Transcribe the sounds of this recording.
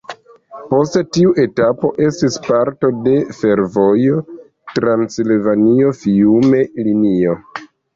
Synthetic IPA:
po̞stetiuʔe̞tapo̞ʔe̞stispaɾto̞de̞fe̞ɾvo̞jo | tɾansilvanio̞fiume̞linio̞

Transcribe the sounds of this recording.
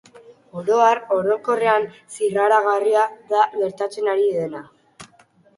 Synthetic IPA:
oɾoaro̞ɾo̞ko̞re̞ansiraɾaɣariaðaɣe̞ɾt̪at͡se̞naɾiðe̞na

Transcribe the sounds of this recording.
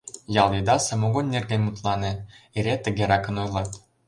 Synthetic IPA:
jɑlˠid̪ɑsɑ̆moɡonːʲerɡʲemut̪lˠɑnĕiɾʲet̪ɘ̆ɡʲeɾɑkɤ̆nojlˠɑt̪

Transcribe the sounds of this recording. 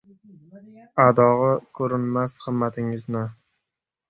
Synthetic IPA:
ad̪ɒʁɨkʰɵɾɪnmashɨmːat̪ʰɪŋɪznɪ

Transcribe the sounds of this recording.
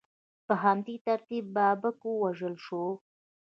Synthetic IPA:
pəɦamd̪it̪aɾt̪ibːabakowaʒəlʃo

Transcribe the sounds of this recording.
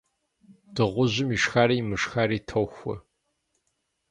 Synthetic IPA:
d̥ɨʁʷʊʑɪmiʂxaːɾiːmɨʂxaːɾiːtʰɐwxʷɐ̰

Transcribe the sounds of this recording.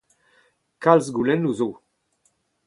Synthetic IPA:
kalzɡulɛnːuzo

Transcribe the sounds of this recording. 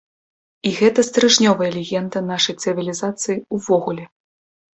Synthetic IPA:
iɣɛt̪ɐst̪ɾɨʐnʲɔvɐjɛɐlʲɛɣʲɛnd̪ɐnaʂɐjt̪sɨvʲilʲizat̪sɨjiuvɔɣulʲɛ

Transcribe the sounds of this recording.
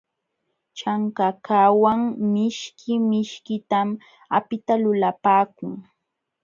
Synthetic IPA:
t͡ʃaŋkakawaŋmɪʃkʰɪmɪʃkɪt̪am | apɪt̪alʊlapaːkʊŋ

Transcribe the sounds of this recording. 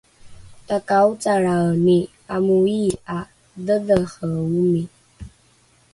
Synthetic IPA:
takaut͡sʼaɾaəni | amuia | dəðəχəumi

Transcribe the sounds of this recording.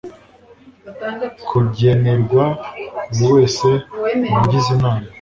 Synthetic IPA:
kʰuɟeneɾɡwauɾiwe̞ːse̞muɟizinaːma

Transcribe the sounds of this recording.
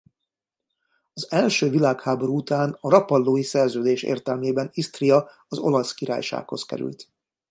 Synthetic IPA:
ɒzɛlʃøːvilaːkhaːbo̞ɾuut̪aːnɒɾɒpɒlːoːjisɛrzøːd̪eːʃḛːrt̪ɛlmeːbɛnist̪rijɒ | ɒzo̞lɒskiɾa̰ːjʃa̰ːkho̞̰skɛ̰ɾy̰lt̪

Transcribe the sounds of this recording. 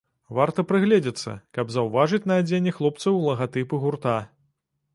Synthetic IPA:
vart̪ɐpɾɨɣlʲɛd͡zʲɛt̪sːɐ̰kɐbzɐwvaʐɨt͡sʲnɐːd͡zʲenʲːɛxlˠɔp̚t̪sɐwlˠɐɣat̪ɨpɨɣurt̪a

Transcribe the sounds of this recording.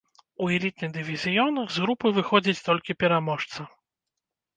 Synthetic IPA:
uɛlʲit̪̚nɨɣd̪ɨvʲizʲijɔnɐɣzɣɾupɨvɨxɔd͡zʲit͡sʲt̪ɔlʲkʲipʲɛɾamɔʂt̪sɐ

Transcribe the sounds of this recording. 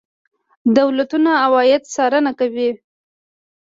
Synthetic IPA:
d̪awlat̪unaːwɑjɪd̪sɑɾənakawi

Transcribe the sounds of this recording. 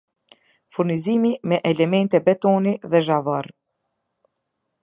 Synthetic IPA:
fuɾnizimimɛʔɛlɛmɛnt̪ɛbɛt̪ɔniðɛʒavɔɾ

